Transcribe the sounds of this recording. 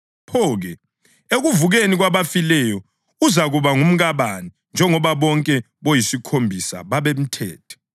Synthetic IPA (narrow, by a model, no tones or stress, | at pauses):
pʰɔːɣɛ | eɣuvuɣeniɣwaβafilɛjɔ | uzaɣuβaŋum̩ɣaβani | nd͡ʒʱɛŋɔβaβɔŋkʼɛ | βojisikʰombʱisa̰βaβem̩tʰɛ̰ːtʰɛ̥